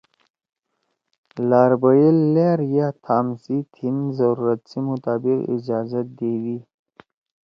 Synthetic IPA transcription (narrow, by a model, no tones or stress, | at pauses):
laːɾbajilːeɾjat̪ʰaːmsit̪ʰinzaɾuɾat̪simʊt̪aːbɪqḭd͡ʒɑːzat̪̚d̪ewi